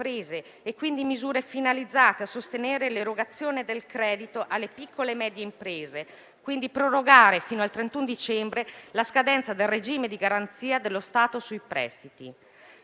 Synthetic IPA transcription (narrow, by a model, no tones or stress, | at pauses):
pɾeːzeː | kːwind̪imizuːɾefinalid̪zːaːt̪easːost̪eneːɾeleɾoɡat̪sːjoːned̪elkɾɛːd̪it̪oʔalːepikʰːolemɛːd̪jeimpɾeːze | kwind̪ipɾoɾoɡaːɾefiːnoalt̪ɾent̪und̪it͡ʃɛmbɾelaskad̪ɛnt̪sad̪elred͡ʒiːmed̪iɡaɾant̪siːad̪elːost̪aːt̪osujpɾɛ̰st̪it̪ḭ